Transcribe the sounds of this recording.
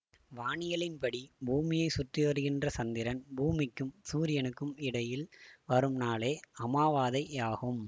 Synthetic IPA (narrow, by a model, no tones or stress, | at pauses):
ʋaːɳɪjɐlɪnpɐɽibuːmɪjɐɪsʊʈriʋɐɾɯɣɪndrɐsɐnd̪ɪɾɐnbuːmɪkːɯmsuːɾɪjɐnɯkːɯmɪɽɐjɪlʋɐɾɯmnaːleːɐmaːʋaːðɐɪaːɣɯm